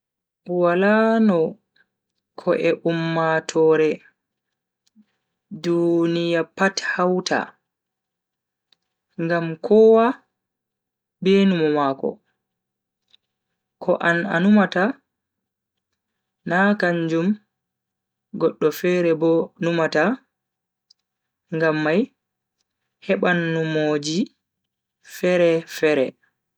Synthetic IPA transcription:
walanɔ | kʰɔʔɛʔumːatʰɔːɾɛ | dunijapathawtʰa̰ | ŋɡamkʰɔwa | bɛnumɔmaːkɔ̰ | kʰɔʔana̰numata | nakaɲd͡ʒum | ɡɔɗːɔfɛɾɛbɔnumata | ŋɡamːaj | hɛɓanːumod͡ʒi | fɛɾɛfɛɾɛ

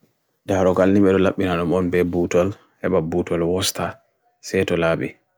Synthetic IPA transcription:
daɾɔkalniɓɛɗɔlaɓːinaɗɔmɔnbɛbutɔl | hɛɓabutɔlwɔsta | sɛtɔlaːɓɛ̰

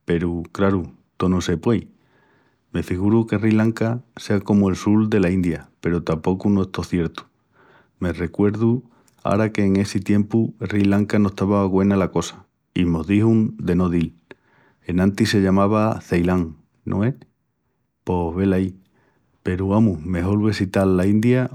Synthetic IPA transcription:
pe̞ɾukɾaɾu | t̪o̞nose̞pwej | me̞fiɣ̞uɾuke̞rilaŋkase̞ako̞moe̞lsuld̪e̞laind̪jape̞ɾut̪ampo̞kuno̞est̪o̞θje̞ɾt̪u̥ | me̞re̞kwe̞ɾðu | a̰ɾake̞ːŋe̞sit̪je̞mpurilaŋkanost̪aβaɣwe̞nalako̞sḁ | imo̞ðihund̪e̞no̞ðil | e̞nãnt̪ise̞ʎamaβ̞aθejlaŋ | nʔo̰e | po̞ɦβe̞lai | pe̞ɾuamume̞ɦo̞lβesit̪alːaind̪ja

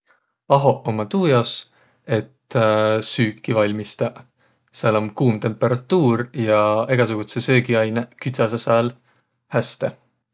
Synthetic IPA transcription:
ɑɦo̞ʔomːɑt̪uːjɑs | e̞t̪syːkːivɑlʲmist̪ɑ | sæːlo̞mkuːmt̪e̞mpːˑe̞ɾɑt̪ˑːuːɾjɑe̞ɡ̥ɑs̬uɡ̥ut̪sesø̞ːɡiɑjnekyt̪sɑsɑsæːl | hæst̪e̞

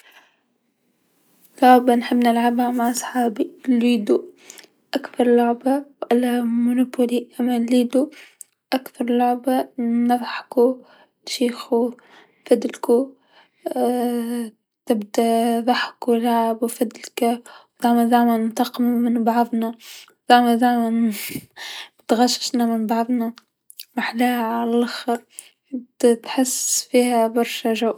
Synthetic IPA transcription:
lʊʕbanħɪbːnɪlʕabhamaʕʔɑsˤħɑːbiliːd̪u | ʔakbɑɾˤlʊʕbawʔalamʊnʊpʊliʔamalːiːd̪u | ʔakbɑɾˤlʊʕbanɨðˤħku | ʃiːxu | fad̪lku | t̪ɪbd̪aðˤɑħkulaʕbfad̪lkawd̪aʕmad̪aʕmanmt̪ɑqmamɪnbɑʕðˤna | d̪̥aʕmad̪aʕman | bɪt̪ɣaʃɪ̥ʃnamɪnbɑʕðˤna | ɾɪħlaːhaʕalalʔaxɑɾ | ɪbd̪at̪ħɪsfiːhabɑɾˤʃaʒaw

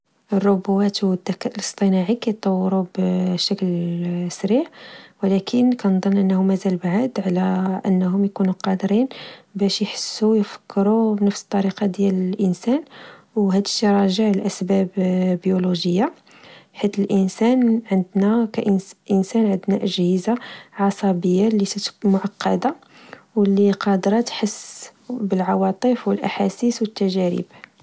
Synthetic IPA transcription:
ərˤːobuwæt̪wəd̪ːækæʔələst̪ˤənɑʕikæjt̪ˤːɑwːɾubəʃæklsɾiʕwlækʰənkænd̪ˤɑnːʔənːhʊmæzælbaʕad̪ʕlæʔənːɦʊmjkunuqɑd̪ɾinbæʃjħə̥sːujfə̥kʰːɾubnəfsə̥t̪ˤːɑɾiqɑd̪jæləlʔənsæn | wɦæd̪it̪ɾˤɑʒəʕlʔæsbæbbjuluʒəjːa | ħit̪əlʔənsænʕənd̪nækæʔʔənsænʕənd̪næʔəʒhəzaʕɑsˤɑbəjːalisæt̪mʊʕɑqːɑ̰d̪a | wəlːiqɑd̪ɾˤɑt̪ħəsːbəlʕɑwɑt̪ˤəfwəlʔaħasiswət̪ːæʒæɾḭb

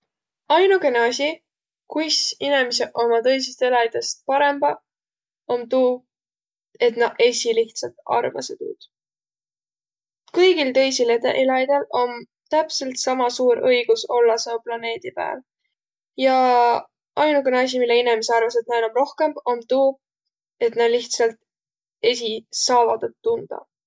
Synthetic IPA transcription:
ɑjnuke̞neɑsʲi | kujsinemeseʔo̞mɑt̪ɤ̞js̬ist̪elɑjd̪̥est̪̚pɑɾe̞mb̥ɑ | ont̪uː | e̞t̪nɑʔe̞sʲiliht̪sɑt̪ɑ̰rvɑ̰set̪ṵːd̪̥ | kɤjɡ̥ilt̪ɤ̞jsilet̪eʔelɑjd̪̥elo̞n | t̪æpse̞lt̪sɑmɑsuːɾɤjɡ̥uso̞lːɑsɑuplɑne̞ːd̪̥ipæ̰ːl | jɑ | ɑjnukenɑs̬ʲimilːeinemeseɑrvɑs̬et̪̚nɑenomro̞hke̞mb̥o̞nt̪uːb̚ | et̪nɑliht̪sɑlt̪ | e̞sisɑːvɑd̪̥et̪ːund̪̥ɑ̰

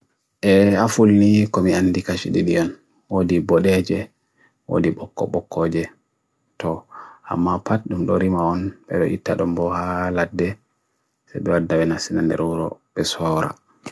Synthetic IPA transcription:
ʔɛafulnikɔmianːdikaʃiɗiɗiɔn | wodibɔɗɛd͡ʒɛ | wo̰diɓɔkːɔ̰ɓɔkʰːɔd͡ʒɛ | tɔa̰mːapat̚ɗumɗɔɾimaɔnɓɛ̰ɗɔʔitːaɗɔmbɔhaladːɛ | sajbɛwadːawɛnasinandɛ̰ɾuɾɔ̰ɓɛsɔːɾa̰

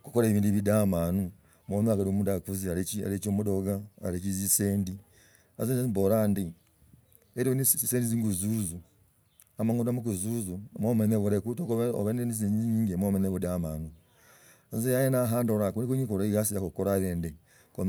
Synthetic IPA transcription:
ku̥koɾeβiːndiβidamaːnu | momaɡaɾomuːndakuziaɾeia̰ɾet͡ʃomudoɡa̰ːɾet͡ʃiziseːndi | a̰zeneimboɾaːndi | eɾinsendiziːŋɡuzuzu | amaŋudamukuzuːzumomeneβuɾekutokooβeneniziziɲiːŋɡemomeneβudamaːnu | zejajenaɦaːndoɾakunikuɲikoɾaiɡasiɾakokoɾaɾende | ko

